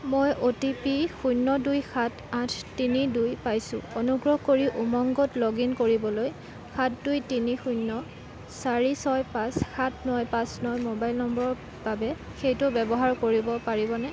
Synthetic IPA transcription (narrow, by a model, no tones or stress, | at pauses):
mojʔotipixujnːɔdujxʰat | ãtʰtinidujpajsʊ̰̃onuɡɹɔhkoɹiʔumɔŋɡɔtloɡinkoɹibɔloj | xʰatdujtinixujnːɔ | saɹisɔjpãsxatʰnɔjpãsnɔjmobajlnɔmbɔɹɔ | b̥abɛ | xejtʊbɛbɔɦaɹkoɹibɔpaɹibɔnɛ